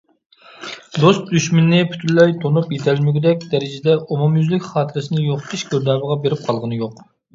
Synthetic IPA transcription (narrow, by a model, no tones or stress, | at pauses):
d̪ost̪̚d̪yʃmɪnːɪpʰy̥t̪ʰylːɛjt̪ʰonupjet̪ʰɛlmɪɡʲɪd̪ɛk̚ʲd̪ɛɾɪd͡ʒɪd̪ɛʔomumjyzlɪkʲχɑːt̪ʰɨɾɨsɪnɨjoqt̪ʰiʃɡʲøɾd̪ɑːbəʁɑbeɾɪp̚qʰɑlˠʁənɨjoq